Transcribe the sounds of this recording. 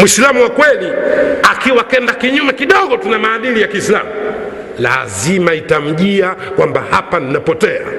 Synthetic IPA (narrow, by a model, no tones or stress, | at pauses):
muislamuwakwɛliakiwakɛndakiɲumɛkiɗɔɠɔtunamaːɗilijakiːsila̰mu | la̰zimaitam̩ʄiakwambahapaninapɔtɛa̰